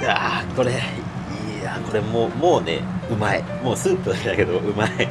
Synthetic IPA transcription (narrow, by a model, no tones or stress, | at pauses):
ako̞ɾe̞ | iː | ako̞ɾe̞moːmo̞ːne̞̰ɯ̟mai | mo̞ːsɨːt̪ːod̪aked̪ake̞d̪o̞ɯ̟mai